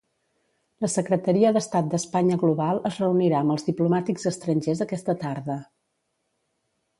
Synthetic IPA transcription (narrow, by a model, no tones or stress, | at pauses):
ləsəkɾət̪əɾiəðəst̪at̪̚d̪əspaɲəɣluβalˠəzrəuniɾaəmbəlˠzðiplumat̪iɡzəst̪ɾənʲʒezðəkɛst̪ət̪aɾðə